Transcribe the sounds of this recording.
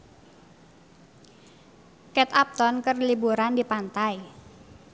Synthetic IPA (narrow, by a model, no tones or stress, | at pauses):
kɛt̪ap̚t̪ɔnkərlibuɾandipant̪ai